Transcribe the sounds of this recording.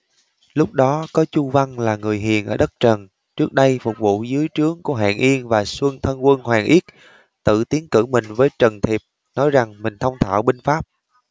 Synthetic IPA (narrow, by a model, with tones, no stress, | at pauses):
lʊ˦˥k͡p̚ɗɔ˨˦kɔ˨˦t͡ɕu˧va˧ŋlaː˨˩ŋɨ˨˩əjɦḭ˨˩ənʔəː˧˩ɗə˦˥t̚t͡ɕə˨˩n | t͡ɕɨ˦˥ək̚ɗə˧jfʊ˨˩k͡p̚vṵ˧˨zɨ˨˦əjt͡ɕɨ˨˦əŋku˧˩ɦa̰ː˧˨nʔi˧ənvaː˨˩swə˧nt̪ʰə˧nkwə˧nɦwaː˨˩ŋʔi˦˥t̚ | t̪ɨ̰˧˨t̪i˨˦ənkɨ̰˧˩mï˨˩ŋ̟vəː˨˦jt͡ɕə˨˩nt̪ʰi˨˩əp̚ | nɔ˨˦jza˨˩ŋmï˨˩ŋ̟t̪ʰə˧wŋ͡mt̪ʰa̰ː˧˨wɓï˧ŋ̟faː˦˥p̚